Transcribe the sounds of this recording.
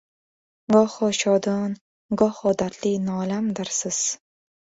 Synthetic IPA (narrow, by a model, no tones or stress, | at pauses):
ɡɒχɒʃɒd̪ɒn | ɡɒhɒd̪at̪linɒːlamd̪ɪɾsɪz̥